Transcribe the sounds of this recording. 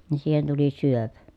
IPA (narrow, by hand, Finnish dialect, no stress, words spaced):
ni siːhen tuli syøpæ